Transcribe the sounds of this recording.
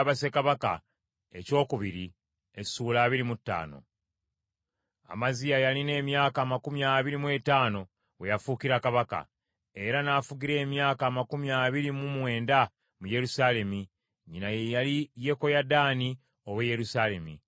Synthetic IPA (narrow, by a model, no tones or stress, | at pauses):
βase̞kaβaka̰ | e̞̰co̞ːkuβiɾi | e̥suːlaːβiɾimutːa̰ːno̞̰ | a̰mazijajaline̞ːmjaːkaːmakumjaːβiɾimwe̞taːno̞ | we̞jafukiɾakaβaka̰ | e̞ɾanaːfuɡiɾe̞ːmjaːkaːmakumjaːβiɾimumwe̞ːnda | muje̞ɾusaːle̞mi | ɲinajejalije̞ko̞jadaːni | o̞βweje̞ɾusale̞mḭ